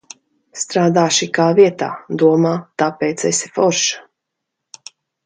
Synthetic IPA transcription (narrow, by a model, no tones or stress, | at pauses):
st̪ɾaːd̪aːʃikaːviɛt̪a̰ːd̪uɔmaːt̪apɛːt̪sɛ̰si̥fɔɾʃḁ